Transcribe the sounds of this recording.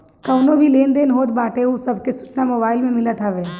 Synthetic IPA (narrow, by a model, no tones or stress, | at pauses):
kɐʊnobʱileːnd̪eːnɦoːt̪baːʈeusɐbʱkesuːt͡ʃnamoːbaːɪlmẽmɪlət̪ʰaʋeː